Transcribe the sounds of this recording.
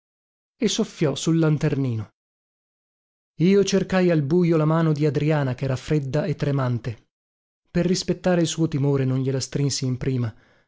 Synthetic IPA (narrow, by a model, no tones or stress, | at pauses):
esofːjɔsulːant̪erniːno | iːot͡ʃerkajalbuːjolamaːnod̪iad̪ɾiaːnakɛːɾafɾed̪ːaet̪ːɾemant̪e | perːispet̪ːaːɾeilsuːot̪imoːɾenonʎelast̪ɾinsiːmpɾiːma